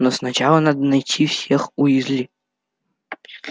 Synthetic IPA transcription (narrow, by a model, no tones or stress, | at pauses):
nosnat͡ɕalˠɐnad̪ənajtʲʰifsʲexujɪzʲlʲi